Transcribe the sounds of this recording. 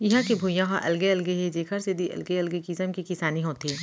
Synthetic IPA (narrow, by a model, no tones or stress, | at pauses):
jɐɦãkebʱuːjãɦãʔɐ̰lɡeɐlɡeɦɛd͡ʒeːkʰɐɾsed̪ʱiʔɐ̰lɡeɐlɡekɪsəmkikɪsaːniɦoːt̪ɦɛː